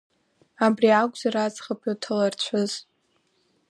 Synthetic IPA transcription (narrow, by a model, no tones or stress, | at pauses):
abriaɡʷz̥aɾad͡zχapʰʼotʰalart͡ɕʷʰʊz̥